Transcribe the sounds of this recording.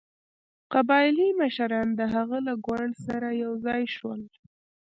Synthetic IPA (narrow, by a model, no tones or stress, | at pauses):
qabɑjlimaʃaɾɑnd̪əɦaɣalaɡwaɳɖsaɾajawzɑjʃwəl